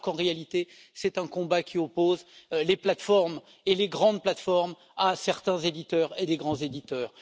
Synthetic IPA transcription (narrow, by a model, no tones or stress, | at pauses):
kɑ̃ʁealit̪e | sɛt̪ɛ̃kɔ̃bakʲʰiɔpozleplat̪fɔʁm | eleɡʁɑ̃d̪plat̪fɔʁm | asɛʁt̪ɛ̃zed̪it̪œːʁed̪eɡʁɑ̃zed̪it̪œːʁ